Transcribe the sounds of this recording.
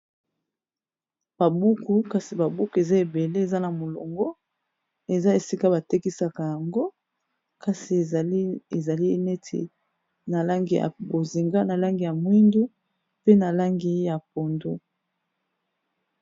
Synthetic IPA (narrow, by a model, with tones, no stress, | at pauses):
b̥a˨bu˦ku˨ka˨si˨ba˨bu˦ku˨e˨za˦e˨be˨le˦e˨za˦na˨mo˨lo̰˨ŋɡo˦ | e˨za˦e˨si˦ka˦ba˨te˦ki˦sa˨ka˨ja˨ŋɡo˦ | ka˨si˨˦e˨za˨li˦ne˦tʰḭ˨ | na˨la˦ŋɡi˨a̰˨bo˨zi˨ŋɡa˦na˨la˦ŋɡi˨ja˨mwi˦ndu˦ | pe˦na˨la˦ŋɡi˦ja˨po˨ndo˦